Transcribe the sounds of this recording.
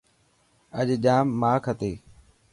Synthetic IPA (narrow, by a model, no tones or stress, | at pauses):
əʄʄaːmːaːkʰət̪eː